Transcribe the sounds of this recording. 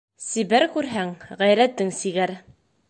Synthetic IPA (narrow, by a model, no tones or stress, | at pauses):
sibæɾkʉɾɦæŋʁæjɾæt̪ːɘŋsiɡæɾ